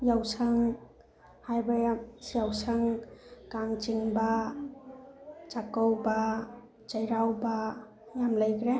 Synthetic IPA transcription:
jawsaŋ | hajbajasijawsaŋkaŋt͡ʃiŋba | t͡ʃakɔwba | t͡ʃajɾawba | jamləjkɾe

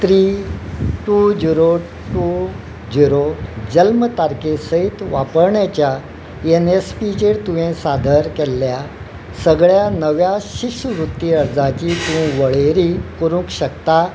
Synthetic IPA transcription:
t̪ɾiː | ʈud͡ʑiɾo | ʈu | d͡ʑiɾod͡ʑəlmət̪aɾkesəit̪ʋapəɾɳjat͡ɕja | enespid͡ʑeɽt̪uʋẽsad̪ʱəɾkɛlːja | səɡɭjanəʋjaɕiɕʋɾut̪ːiəɾd͡zãt͡ɕiːt̪ũʋəɭeɾiːkoɾũːkɕəkt̪a

